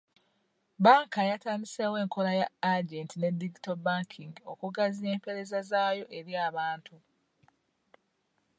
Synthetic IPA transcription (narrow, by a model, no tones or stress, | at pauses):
baːŋkajataːniseːwe̞ːŋko̞lajaaɟe̞ːntine̞diɡito̞baːŋkʰiŋɡio̞̰kuɡazie̞ːmpe̞ɾe̞zazaːjo̞ʔe̞ɾjaːβaːntʰu